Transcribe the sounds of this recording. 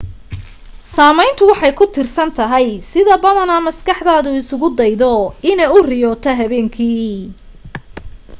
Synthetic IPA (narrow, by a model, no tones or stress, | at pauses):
saːmɛjnt̪ʰʊwɑħɑjkʰʊt̪ʰɪrsɐnt̪ʰɐɦɛjsɪðɐbɐðɐnɐmɐskɑħd̪aːðʊɪsʊɣʊd̪ɛjðɔɪnɛjʊrɪjɔːt̪ʰɐɦɐβɛːŋkʰiː